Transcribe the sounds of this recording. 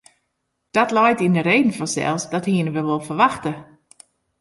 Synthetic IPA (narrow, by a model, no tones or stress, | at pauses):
d̥ɔtlɔjtindəɾeːdn̩fɔnsɛ̰lˠsdɔthiənəʋəʋolˠfərʋaxtə